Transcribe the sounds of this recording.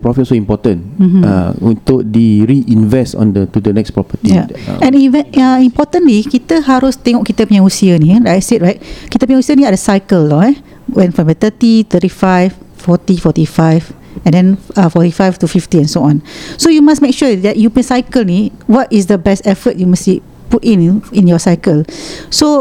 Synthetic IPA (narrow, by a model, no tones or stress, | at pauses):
pɹɔfit̚soĩmpɔtə̃n̩a̰todiɹiʔĩnvɛstɔ̰̃ndətudənɛkspɹɔpətija̰ɛ̃nivɛ̃aĩmpɔtə̃nlikit̪əɦaɹust̪ẽŋɔkit̪əpiãusiəniɹaset̚ɹaɪt̚kit̪əpiɛ̃usiə̃niadəsajkəlnɔɛ | wɛ̃nfɹɔ̃mət̪ətit̪ətifaɪffɔtifɔtifaɪv | ɛ̃ndɛ̃nafɔtifajftufiftiɛ̃nsoɔ̃nsojumasmek̚ʃuədɛʔ̚jupɛ̃nsajkəlniwɔtisdəbɛstɛfət̚jumasi | putĩnĩnjɔsaɪkəlso